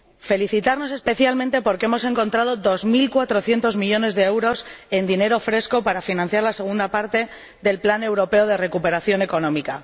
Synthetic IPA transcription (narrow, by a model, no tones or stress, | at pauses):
fe̞liθit̪aɾno̞se̞spe̞θjalmẽnt̪e̞po̞ɾkeemo̞se̞ŋko̞nt̪ɾaðo̞ðo̞zmilkwat̪ɾo̞θje̞nt̪o̞zmiʎo̞ne̞zðe̞ewɾo̞se̞nd̪ine̞ɾo̞fɾe̞sko̞paɾafinãn̟θjaɾlase̞ɣ̞und̪apaɾt̪e̞ | ðe̞lplane̞wɾo̞pe̞oð̞e̞re̞kupe̞ɾaθjo̞ne̞ko̞nõ̞mika